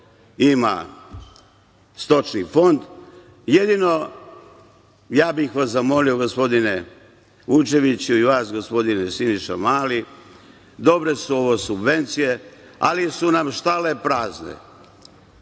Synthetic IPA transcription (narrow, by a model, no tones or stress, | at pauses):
ima̰ | st̪o̞t͡ʃnifo̞nd̪ | je̞d̪ino̞ | jaːbixʋasamo̞lio̞ɡo̞spo̞d̪ine̞ | ʋut͡ʃe̞ʋit͡ɕuiʋaːsɡo̞spo̞d̪inesiniʃa̰maːli | d̪o̞bɾe̞suo̞ʋosubʋe̞nt̪sije̞a̰lisunamʃt̪alepɾaːznḛ